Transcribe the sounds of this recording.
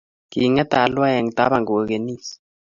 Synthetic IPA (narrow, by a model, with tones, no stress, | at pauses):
ki˨ŋɛ˦t̪a˨lwa˦jɛ˨ŋ˨t̪a̰˦βa˨ŋɡo˨o˨ke˨ni˦s